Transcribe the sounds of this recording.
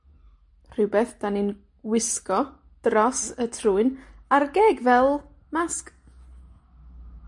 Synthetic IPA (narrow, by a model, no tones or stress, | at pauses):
r̥ɪwbeːθd̥anin | wɪskɔ | d̥rɔsətʰruːɨnarɡeːɡvɛlˠ | mask